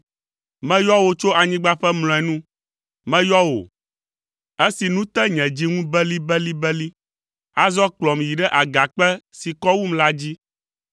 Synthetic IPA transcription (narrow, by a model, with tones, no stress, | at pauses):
mɛ̃˦jɔ˦wo˨t͡ʃo˦a˨ɲĩ˦ɡ͡ba˦ɸɛ˦mlɔ̃˨ɛ˨nũ˦ | mɛ̃˦jɔ˦wo̰˨ | e˦si˨nũ˦t̪ɛ˦ɲɛ̃˨d͡ʑi˦ŋũ˦bɛ˦li˦bɛ˦li˦bɛ˦li˦ | a˦zɔ˦k͡plɔ˨mji˨ɖɛ˦ʔa˨ɡa˨k͡pɛ˦si˨kɔ˦wu˦mla˦d͡ʑi˦